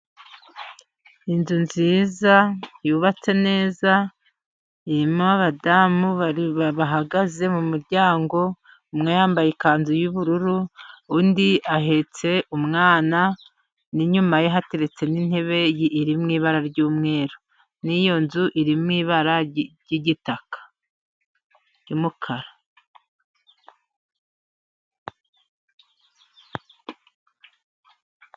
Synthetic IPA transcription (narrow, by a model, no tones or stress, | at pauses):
inzunziːzajuːβat͡se̞ne̞ːza | iɾimoaβadamuβaββaɦaɡaze̞mumuɾɟaːŋɡo̞ | umŋejaːmbajekaːnzujuβuɾuɾuundiaɦe̞t͡se̞umŋaːna | niɲumajeɦate̞ɾe̞t͡se̞nin̥he̞βe̞jiʔːɾimŋiːβaɾaɾɟuːmŋe̞ːɾo | nijo̞nzuʔiɾimŋiːβaɾaɟiɟitakʰḁ | jimukʰaɾa